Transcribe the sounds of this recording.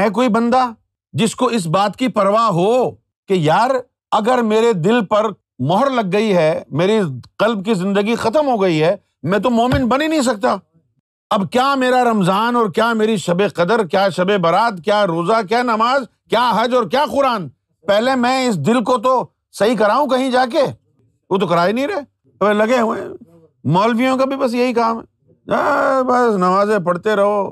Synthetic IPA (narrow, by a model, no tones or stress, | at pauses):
ɛ̃k̬oːibɐ̃nd̪a | d͡ʒɪskoɪs̬baːt̪kipɐɾʋaːɦo | kejaːɾ | ɐɡəɾmeːɾed̪ɪlpɐɾ | mɔɦəɾlɐɡːɐiɦɛmeːɾiqɐlb̚kizɪ̃nd̪əɡixɐt̪̬əmɦoɡɐiɦɛː | mɛ̃t̪̬omoːmɪnbɐninɐɦĩs̬ɐk̚t̪aː | ɐbkjaːmeːɾaɾɐmzaːnɔːɾkjaːmeːɾiʃɐbeqɐd̪əɾkjaːʃɐbebɐɾaːd̪kjaːɾoːzak̬jaːnɐmaːz | kjaːɦɐd͡ʒɔːɾkjaːxʊɾaːn | pɛɦlemɛ̃ɪs̬d̪ɪlk̬ot̪̬o | sɐɦik̬ɐɾaːũkɐɦĩd͡ʒaːk̬e | oːt̪̬okɐɾaːinɐɦĩɾɐɦe | ɐbelɐɡeɦuḛ̃ | mɔːlfijõkabʱibɐs̬jɐɦikaːmɦɛ | abɐsnɐmaːzẽpɐɽt̪eɾɐɦoː